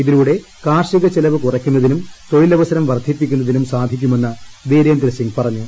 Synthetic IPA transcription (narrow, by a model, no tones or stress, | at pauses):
iðiluɽe̞ | kaːrʂiɣɐt͡ɕelɐʋɨkurɐkʲːunːɐðinumt̪o̞jilɐʋɐsɐɾɐmʋɐrd̪ʱːipːikʲːunːɐðinumsaːd̪ʱikʲːume̞nːɐd̪eːɾeːnd̪ɾɐɕiŋpɐrɐɲːu